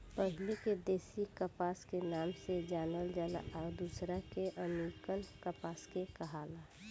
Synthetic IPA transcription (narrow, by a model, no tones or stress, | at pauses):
pəɦɪleked̪eːsikəpaːskenaːmsed͡ʒaːnəld͡ʒaːla̰ʔɔːɾd̪usɾakeʔəmikənkəpaːskekəɦala